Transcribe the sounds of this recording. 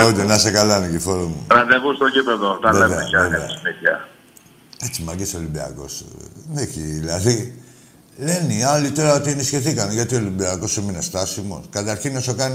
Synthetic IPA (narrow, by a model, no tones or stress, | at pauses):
ut̪enɐsekɐlɐniɟifoɾomṵɾɐðeɣust̪oɟipeðot̪ɐnveeveɐ̰ʝɐvɐeɐ̰simitçɐ | et͡simɐɟesolimbiɐ̰ko̞̰sneçiðilɐði | le̞niɐlit̪o̞ɾɐo̞t̪ienisçeθikɐnʝɐt̪iolimbiɐko̞suminest̪ɐsimo̞̰skɐt̪ɐɾçinosokɐni